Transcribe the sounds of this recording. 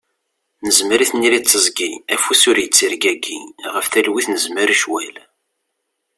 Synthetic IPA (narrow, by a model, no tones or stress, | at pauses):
nəzməɾiθnːiɾit͡sːəzˤɡiæfusʊɾjət͡sːiɾɡæɡiʁəfθælwiθnəzməɾʃwæl